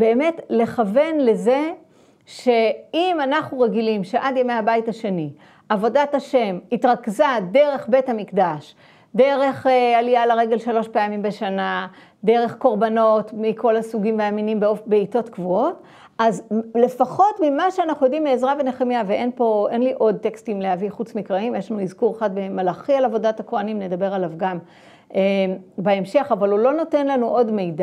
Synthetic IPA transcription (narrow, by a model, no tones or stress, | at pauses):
be̞ːme̞tle̞χave̞nle̞ze̞ | ʃe̞imanaχnuʁe̞ɡilimʃeʔad̪jemejabaithaʃe̞ni | ʔavo̞dataʃe̞mitʁakzade̞ʁe̞χbe̞thamikdaʃ | de̞ʁe̞χalijalaʁe̞ɡe̞lʃalo̞ʃpeamimbeʃana | d̪e̞ʁe̞χko̞ʁbano̞tmiko̞lasuɡimveaminimbeofbeito̞tkvuo̞t | ʔazle̞faχo̞tmimaʃeanaχnujo̞dimːeezʁaveneχemjaveʔe̞npo̞enliʔo̞d̚t̪ekstimleaviχut͡smikʁaimjeʃlanuizkuʁeχad̚be̞malaχialavo̞datakoanimne̞dabe̞ʁalavɡam | ʔebaemʃe̞χavalulo̞no̞te̞nlanuʔo̞dme̞jda